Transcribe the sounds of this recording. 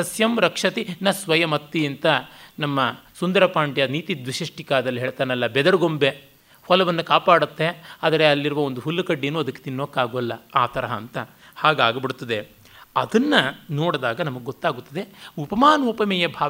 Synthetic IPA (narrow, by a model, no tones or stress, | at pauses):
ɐsjɐmɾɐkʂɐt̪inɐsʋɐjɐmɐt̪ːiɐnt̪ɐnɐmːɐsund̪ɐɾɐpaːɳʈjɐniːt̪id̪ʋiʂiʂʈikaːd̪ɐlːiɦeːɭt̪aːnɐlːɐbɛd̪ɐɾɡombe | hɔlɐʋɐnːukaːpaːɽut̪ːe̞aːd̪ɐɾeɐlːiɾuʋɐond̪uɦulːɐkɐɖːeːnuːɐd̪ɐkːe̥t̪inːokːaːɡuʋɐlːɐaːt̪ɐɾɐɦɐːnt̪ɐ | haːɡaːɡɐbiɽut̪ːɐd̪e | ɐ̰d̪ɐnːɐnoːɽd̪aːɡɐnɐmɐɡeɡot̪ːaːɡut̪ːɐd̪e̞upɐmaːnɐuːpɐmɛjɐbʱaː